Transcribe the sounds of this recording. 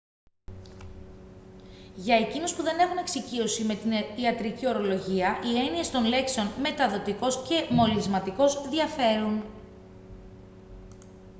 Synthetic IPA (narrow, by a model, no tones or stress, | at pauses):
ʝɐe̞cinuspuðe̞ne̞xune̞ksicio̞sime̞t̪iniɐt̪ɾicio̞ɾo̞lo̞ʝiɐʔie̞nie̞st̪o̞nle̞kseo̞nme̞t̪ɐðo̞t̪iko̞sce̞mo̞lizmɐt̪iko̞zðiɐfe̞ɾun